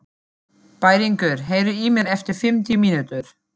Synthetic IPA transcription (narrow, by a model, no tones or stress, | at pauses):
paːjɾiŋkʏɾ̥ɦeːjɾʏiːmɛɾɛft̪ɪɾ̥fɪmt̪imiːnut̪ʏɾ̥